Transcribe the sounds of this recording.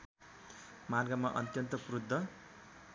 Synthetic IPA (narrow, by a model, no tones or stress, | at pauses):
marɡamaʔʌ̰t̪jʌnt̪ʌkrud̪ʱːʌ